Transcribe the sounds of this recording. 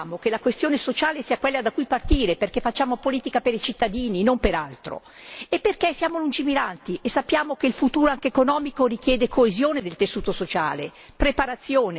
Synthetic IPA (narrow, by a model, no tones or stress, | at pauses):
mok̟elakwest̪joːnesot͡ʃaːlesiːakwelːad̪akːujpart̪iːɾeperkefat͡ʃːaːmopoliːt̪ikapeɾit͡ʃit̪ːad̪iːninompeɾalt̪ɾo̰ | epːerkesːjaːmolund͡ʒimiɾant̪iʔesːapːjaːmokeilfut̪uːɾoaŋkekonɔːmikorik̟jɛːd̪ekʰoezjoːned̪elt̪esːuːt̪osot͡ʃa̰ːle | pɾepaɾat̪sːjoːne